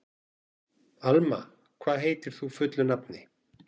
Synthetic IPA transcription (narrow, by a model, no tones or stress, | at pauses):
alma̰ | kʰvaːðɦeːjt̪ɪɾ̥θufʏt̪lʏnapnɪ